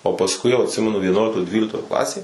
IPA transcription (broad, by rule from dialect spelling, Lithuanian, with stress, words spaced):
oː pɐsˈkʊɪ jɛʊ ɐtʲˈsʲɪmʲɛnʊ ʋʲiɛˈnuɔlʲɪktoːj ˈdʲʋʲiːlʲɪktoːj ˈklˠɑːsʲeːj